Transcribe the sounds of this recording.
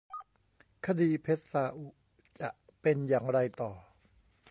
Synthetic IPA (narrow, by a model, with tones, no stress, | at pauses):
kʰa˧diː˧pʰe˦˥t̪̚saː˧ʔu˨˩ʔ | t͡ɕa˨˩ʔ | pe˧njaː˨˩ŋɾa˧jt̪ɔː˨˩